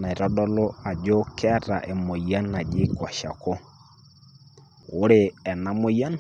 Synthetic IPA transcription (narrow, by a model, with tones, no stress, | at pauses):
na˨i˨ɾɔ˦dɔ˦lo˦a˨d͡ʒo˦kʰɛ˦ɾa̰˨ʔe˨mo˨ja˦na˨d͡ʒɪ˦kɔ˨ʃa̰˨ko˦ | o˦ɾe˨ɛ˨na˨mo˦ja˦n